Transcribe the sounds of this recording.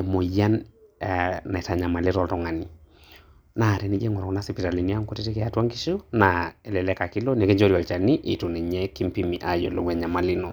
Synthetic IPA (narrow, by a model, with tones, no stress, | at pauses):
mo˨ja˦n | na˨ɛ˨ta˨ɲa˨ma˨lɪ˦ɾɔ˦ltɔ˨ŋa˨ni˨ | na˨ɾɛ˨˦ni˦d͡ʒe˦ŋɔ˨ɾkɔ˦na˦si˨pi˨ta˨li˨ni˦a˦ŋko˦te˦te˦ke˨a˨twa˦ŋɡi˦ʃu˦na˨ɛ˨lɛ˨lɛ˦ka˨kɪ˦lɔ˦nɛ˨ke˦ɲd͡ʒo˦ɾi˨a˨lt͡ʃa˨ni˦ʔḭ˨tu˨nɛ˨ɲɛ˦ki˦mpi˦mi˨ʔa˨jɔ̰˨lo˨wɛ˨ɲa˨ma˨lɪ˦nɔ˨